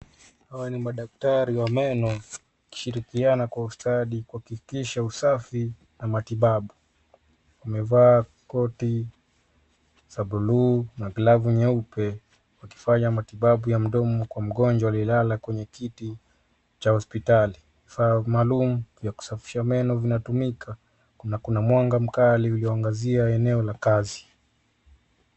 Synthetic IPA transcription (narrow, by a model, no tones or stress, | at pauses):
hawanimaɗak̚taɾiwamɛnɔ | ki̥ʃiɾikianakwaustaɗikuhakikiʃausafi | namatiɓaɓu | wamɛvaː | kɔti | saɓulunaɡlavuɲɛupɛ | waki̥faɲamatiɓaɓujam̩ɗɔmɔkwam̩ɠɔnd͡ʒwaalilalakwɛɲɛkiti | t͡ʃahɔspitali | vifamaːlumuvjaku̥safi̥ʃamɛnɔvinatumikʰa | nakunamwaŋɡam̩kaliuliɔaŋɡaziaɛnɛɔlakazi̥